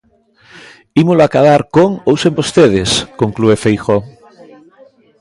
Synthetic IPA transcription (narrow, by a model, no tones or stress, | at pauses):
imoloakaðaɾkoŋowsembost̪eð̞eskoŋkluefejxo